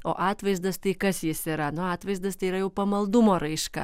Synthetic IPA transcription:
o̰ːʔɑːt̪ʋɐɪzd̪ɐst̪ɐɪkɐsjɪsiːɾɐnʊɑːt̪ʋɐɪzd̪ɐst̪ɐɪiɾɐjɛʊpɐmɐlˠd̪ʊmoːɾɐɪʃkɐ̰

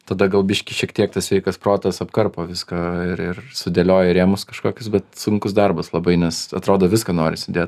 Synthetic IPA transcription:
t̪ɐd̪ɐɡɐlˠbʲɪʃʲkʲɪʃʲiɛkt̪ʲiɛkt̪ɐsʋʲɛɪkɐsproːt̪ɐsɐpkɐrpoːʋʲɪskɐɪɾɪrsʊd̪ʲeɛːlʲoːjɛɾʲeːmʊskɐʃkoːkʲʊsbʲɛt̪sʊŋkʊsd̪ɐrbɐslˠɐbɐɪnʲɛsɐ̰t̪ɾoːd̪oːʋʲɪskɐnoːɾʲɪsʲɪd̪ʲeːt̪

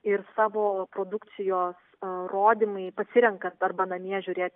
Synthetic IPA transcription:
ɪɾsɑːʋoːpɾoːd̪ʊk̪sʲɪjoːs | roːd̪ʲɪmɐɪpɐsʲɪɾʲɛŋkɐnt̪ɐrbɐnɐmʲiɛʒʲʊɾʲeːt̪ʲ

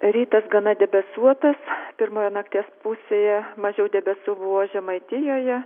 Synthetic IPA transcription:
ɾʲiːt̪ɐsɡɐnɐd̪ʲɛbʲɛsuɔt̪ɐspʲɪɾmoːjɛnɐk̚t̪ʲeːspusʲeːjɛmɐʒʲɛʊd̪ʲɛbʲɛsuːbʊʋoːʒʲɛmɐɪt̪ʲɪjoːjɛ

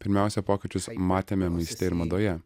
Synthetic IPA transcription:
pʲɪɾʲmʲæˑʊsʲɛpoːkʲɪt͡ʃʲʊsmɑːt̪ʲeːmʲɛmɐɪsʲt̪ʲɛɪɾmɐd̪oːjɛ

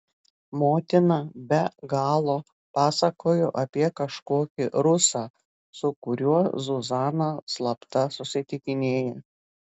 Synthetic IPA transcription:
moːt̪ʲɪnɑbʲɛɡɑːlˠoː | pɑːsɐkoːjoːʔɐpʲiɛkɐʃkoːkʲɪɾʊsɑː | sʊkʊɾʲuɔzʊzɑːnoslˠɐpt̪ɐsʊsʲɪt̪ʲɪkʲɪnʲeːjɛ

